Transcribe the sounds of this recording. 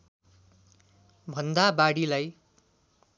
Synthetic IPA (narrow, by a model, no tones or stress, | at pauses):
bʱʌnd̪abaɽilaj